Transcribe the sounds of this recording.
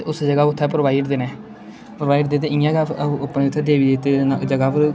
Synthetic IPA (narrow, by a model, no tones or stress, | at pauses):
ʊsd͡ʒəɡaːʊt̪ʰːɛːpɾoʋaːiɖd̪eːnɛ̃ː | pɾʋaːiːɖd̪eːt̪eːɪ̃jãːɡapneːʊt̪ʰːɛːd̪eːʋiːd̪eːt̪enad͡ʒəɡaːpəɾ